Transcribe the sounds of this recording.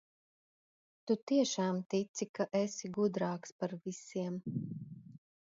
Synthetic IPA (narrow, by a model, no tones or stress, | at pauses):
t̪ut̪iɛʃaːmt̪it̪sikaʔɛsiɡud̪ɾaːkspaɾvisiɛm